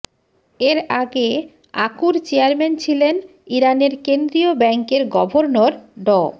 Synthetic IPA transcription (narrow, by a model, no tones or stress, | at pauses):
eɾaɡe | akuɾt͡ɕeaɾment͡ɕʰilen | iɾaneɾkend̪ɾiobɛŋkeɾɡɔbʱoɾnoɾɖɔ